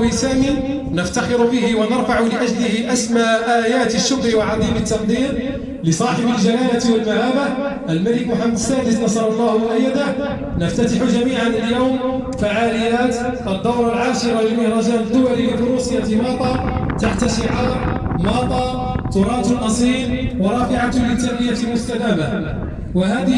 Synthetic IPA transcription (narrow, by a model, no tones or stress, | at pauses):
bisaːmi | nəft̪ɑxɪɾʊbɪhɪwanɑɾˤfaʕʊlɪʔæʒlɪhɪʔæsmaʕʔaːjaːt̪əʃːʊkɾiwaʕɑd̪ˤiːmət̪ːɑq̚d̪ˤiːɾ | lɪsˤɑːħɪbəlʒalaːlat̪wəlmahaːbaʔəlmælɪkmʊħamːæd̪sːæːd̪əsnɑsˤɑɾˤɑlˤːɑːhwʔajːad̪a | nəft̪at̪aħʊʒamiːʕanəljawm | faʕaːlɪjːaːt̪ | ʔəd̪ːɑwɾˤalʕaːʃɪɾˤɑlɪmʊhɾˤɑːʒaːnəd̪ːʊwaliwɪd̪ʊɾusɪjat̪mɑːt̪ˤɑːt̪aħt̪aʃɪʕɑːɾmɑːt̪ˤɑː | t̪ʊɾˤɑːt̪lʔɑsˤiːɾwɑɾˤɑːfɪʕat̪ʊlɪt̪ːanːɪjat̪lmʊst̪ad̪aːba | waɦaːd̪ɪ